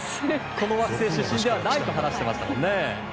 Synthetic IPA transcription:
ko̞no̞βakɯ̟se̞ːɕɨɕːĩnd̪e̞βanait̪oɦanaɕi̥t̪e̞ma̰ɕi̥t̪a̰o̰nːe

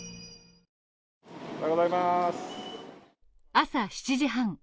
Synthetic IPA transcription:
aɡozaimas | asaɕi̥t͡ɕiʑiɦãŋ

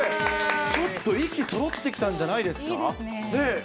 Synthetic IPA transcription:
t͡ɕo̞t̪ːo̞ikʲiso̞ɾo̞t̪ːe̞kʲi̥t̪ãɲ̟d͡ʑanaid̪e̞sɨ̥ka | ne̞

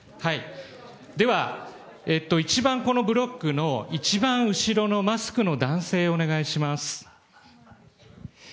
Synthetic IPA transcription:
hai | d̪e̞βa | e̞t̪ːo̞it͡ɕibãŋko̞no̞bɯ̟ɾo̞ɡːɯ̟no̞it͡ɕibãɰ̃ɯ̟ɕiɾo̞no̞masɨ̥kɯ̟no̞d̪ãɰ̃se̞ːone̞ɡaiɕimasɨ̥

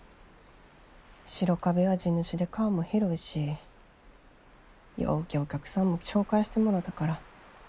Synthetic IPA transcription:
ɕiɾo̞kabe̞βad͡ʑinːɯɕid̪e̞kaːmoheɾoiɕi | jo̰ːkʲio̞kʲakɯ̟̥sãmːo̞ɕo̞ːkaiɕi̥t̪emo̞ɾod̪akaɾa

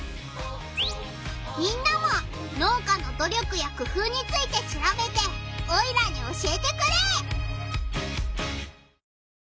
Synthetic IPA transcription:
ɲ̟ʲĩnːamo̞ | no̞ːkano̞d̪o̞ɾʲo̞kɯ̟jakɯ̟ɸɯːɲ̟it͡sɨit̪e̞ɕiɾabe̞t̪e̞oiɾaɲ̟io̞ɕiet̪e̞kɯ̟ɾeː

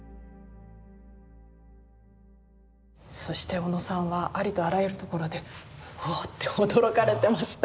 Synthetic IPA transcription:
so̞ɕi̥t̪e̞o̞no̞sãɰ̃βaʔaɾʲit̪o̞aɾajeɾɯ̟t̪o̞ko̞ɾo̞d̪e̞ot̪ːe̞hod̪o̞ɾo̞kaɾe̞t̪e̞maɕi̥t̪a

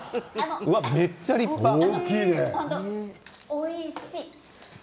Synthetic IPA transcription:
anoɯβamet͡ɕːaɾikʲinehõnt̪o | oiɕi

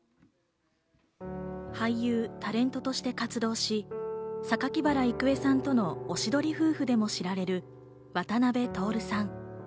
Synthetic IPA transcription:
haijɯːt̪aɾẽ̞nt̪o̞t̪o̞ɕi̥t̪e̞kat͡sɨd̪o̞ːɕisakakʲibaɾaikɯ̟e̞sãnt̪o̞no̞ːɕid̪o̞ɾʲiɸɯ̟ːɸɯ̟d̪e̞mo̞ɕiɾaɾe̞ɾɯ̟ | βat̪anabe̞t̪o̞ːɾɯ̟sãŋ

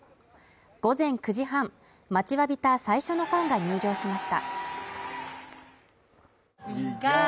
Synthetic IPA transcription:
ɡ̥o̞zẽ̞ŋkɯ̟ʑiɦãm | mat͡ɕiβabʲit̪asaiɕo̞no̞ɸãŋɡaɲ̟ɨːʑo̞ːɕimaɕi̥t̪a̰

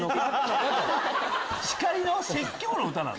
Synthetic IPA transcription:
ɕi̥kaɾʲinosekʲːonoɯ̟t̪anã̰n

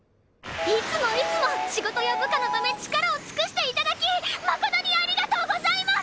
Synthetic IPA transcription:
it͡sɨmo̞it͡sɨmo̞ɕiɡo̞t̪o̞jobɯ̟kano̞bame̞t͡ɕi̥kaɾaot͡sɨ̥kɯ̟ɕi̥t̪e̞it̪ad̪akʲimakod̪aɲ̟ʲiaɾʲiɡat̪o̞ːɡo̞zaimas

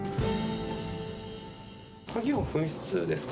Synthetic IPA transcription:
kʰaɡʲimoɸɯ̟̃ɰ̃ɕi̥t͡sɨ̰d̪e̞sɨ̥k

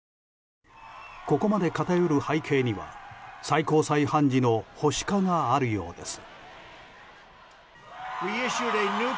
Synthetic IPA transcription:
ko̞ko̞mad̪e̞kat̪ajo̞ɾɯ̟haikʰe̞ːɲ̟iβa̰saiko̞ːsaihãɲ̟d͡ʑino̞ho̞ɕi̥kaŋaːɾɯ̟jo̞̰ːd̪e̞sɨ̥ | wiɪʃuɾenu

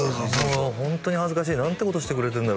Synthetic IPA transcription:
oɦõ̞nt̪o̞ɲ̟ihazɨkaɕ̬iːnãnt̪ːe̞ko̞t̪o̞ɕit̪e̞kɯ̟ɾe̞t̪eɾɯ̟nd̪a

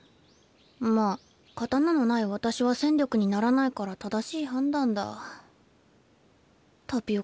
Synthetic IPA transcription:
maː | kat̪anano̞naiβat̪aɕiβasẽ̞ndʲjo̞kɯ̟ɲ̟inaɾanaikaɾat̪ad̪aɕiːhãnd̪ãnd̪a̰ | t̪ʰopʲio

